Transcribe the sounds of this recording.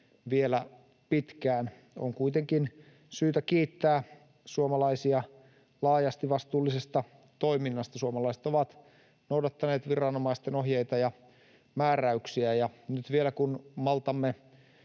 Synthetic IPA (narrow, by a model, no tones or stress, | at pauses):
ʋielæ | pit̪kæːn | o̰ŋkuit̪eŋkin | syːt̪ækiːt̪ːæː | suomɑlɑisiɑ | lɑːjɑst̪iʋɑst̪uːlːisest̪ɑ | t̪oiminːɑst̪ɑsuomɑlɑiset̪oʋɑt̪ | noudɑt̪ːɑneːt̪ʋirɑnomɑist̪enoɦjeit̪ɑjɑ | mæːræyksiæjɑnyt̪ʋielækunmɑlt̪ɑmːe